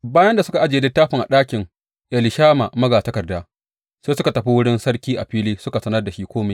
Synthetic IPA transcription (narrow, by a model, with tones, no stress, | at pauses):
baː˦jɐ˦nda˨sʊ˦ka˨ʔa˦d͡ʒeː˨dɪ˦tːaː˦ɸɪ˨ŋʔa̰˨ɗaː˦kʲɪ˨ŋ | ʔɛ˨lɪ˨ʃaː˦ma˨mɐ˦ɡaː˨tɐ˦kɐ˨rdaː˦ | seː˦sʊ˦ka˨tɐ˨ɸi˦wʊ˦ɽɪ˦nsɐ˦ɽkʲiː˦ʔa˨ɸiː˦liː˦sʊ˦ka˨sɐ˦nɐ˦rda˨ʃi˦kʷoː˦me˨˦